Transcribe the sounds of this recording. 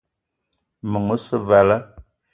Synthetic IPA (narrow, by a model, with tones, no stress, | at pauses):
mə˨ŋə˦sə˦va˨lə˦